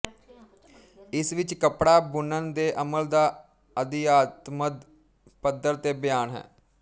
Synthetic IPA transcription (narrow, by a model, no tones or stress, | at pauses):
ɪsʋɪt͡ʃkəpɽaːbʊnənd̪eːʔəməld̪aː | əd̪ɪjaːt̪məd̪ | pəd̪ːəɾt̪eːbɪjaːnɦɛ̰ː